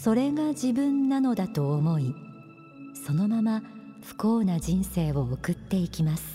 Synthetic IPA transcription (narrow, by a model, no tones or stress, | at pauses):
so̞ɾe̞ɡaʑibɯ̟̃nːano̞d̪at̪o̞ːmo̞i | so̞no̞mama | ɸɯ̟̥ko̞ːnaʑĩɰ̃se̞ːβo̞ːkɯ̟t̪ːe̞ikʲimasɨ̥